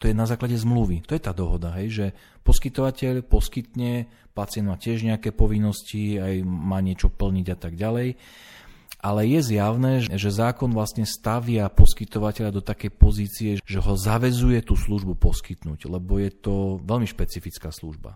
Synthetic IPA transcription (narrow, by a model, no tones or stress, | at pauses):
t̪ɔjɛnazaːklaɟɛzmluʋit̪ɔjɛt̪aːd̪ɔɦɔd̪aɦɛjʒɛ | pɔskit̪ɔʋacɛʎpɔskit̪ɲɛ | pat͡sɪɛnd̪maːcɪɛʒɲɛakɛːpɔʋinːɔsciajmaːɲɪɛt͡ʃɔpl̩ɲiɟat̪aɡɟalɛj | ʔalɛjɛzjaʊnɛːʒɛzaːkɔnʋlasɲɛst̪aʋɪapɔskit̪ɔʋacɛʎad̪ɔt̪akɛjpɔziːt͡siɛʒɛɦɔzaʋɛzujɛt̪uːsluʒbupɔskit̪nuːɟlɛbɔjɛt̪ɔʋɛʎmiʃpɛt͡sifit͡skaːslṵʒba̰